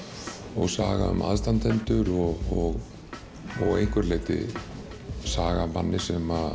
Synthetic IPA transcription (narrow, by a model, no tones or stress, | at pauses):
ɔɣsaːɣa̰ʏma̰ðst̪ant̪ʰɛnt̪ʏɾɔɣɔɣ | ɔɣejŋkʏɾleːt̪ɪ̰ | saːɣamanːɪsɛma